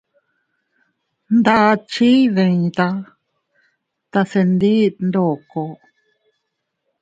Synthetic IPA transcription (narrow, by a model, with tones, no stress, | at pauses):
nd̪a˦˧t͡ʃi˦ðẽ˧ĩ˧t̪a˧ | t̪a˧se˧nd̪i˦nd̪o˨ko˧